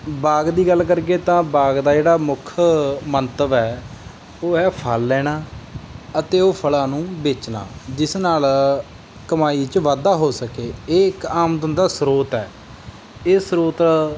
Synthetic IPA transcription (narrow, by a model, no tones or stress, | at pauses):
baːɡd̪iːɡəlkəɾɡeːt̪ãːbaːɡd̪aːd͡ʒeːɽaːmʊkʰmənt̪əʋɛː | oːɛːpʰəlːɛːɽ̃aː | ət̪eːoːpʰəlãːnũːbeːt͡ʃna̰ːd͡ʒɪsnaːl | kəmaːiːt͡ʃʋaːd̪aːɦoːsəkeːeːɪkaːmd̪ənd̪aːsɾoːt̪ɛː | eːsɾoːt̪